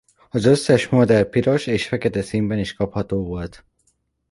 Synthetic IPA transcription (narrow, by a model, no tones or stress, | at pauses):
ɒzø̞sːɛʃmod̪ɛrpiɾo̞ʃeːʃfɛkɛt̪ɛsiːmbɛniʃkɒphɒt̪oːvo̞lt̪